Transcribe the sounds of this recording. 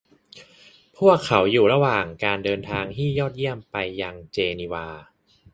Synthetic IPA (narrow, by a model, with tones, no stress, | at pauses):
pʰu˥˩əkʰːa˩˦wjuː˨˩ɾa˧waː˨˩ŋkaː˧ndɤː˧nt̪ʰaː˧ŋt̪ʰiː˥˩jɔː˥˩t̪̚ji˥˩əmpa˧jːa˧ŋt͡ɕeː˧niː˧waː˧